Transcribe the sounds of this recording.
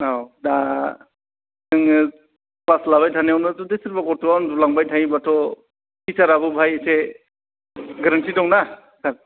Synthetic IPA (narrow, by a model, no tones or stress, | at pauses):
awda | ɯŋ | plaslaβajtʰaniawnatudesiɾbaɡɔɾtuandulaŋbajtʰajibatʰɔ | kisaɾabɯbʱajse | ɡaɾantʰidɔŋna | saɾ